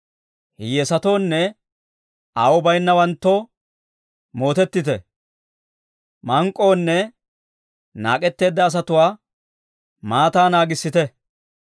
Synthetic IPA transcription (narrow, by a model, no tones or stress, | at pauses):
hɪjɛsɐt̪o̞ːnːɛ | ɐwɔbɐjnːɐwɐnt̪ːo | mo̞ːt̪ɛt̪ːɪt̪ɛ̰ | mɐŋkʼːo̞ːnːɛ | na̰ːkʼɛt̪ːe̞ːd̪ːɐːs̬ɐt̪ʊwaː | maːt̪aːnaːɡɪsːɪt̪ɛ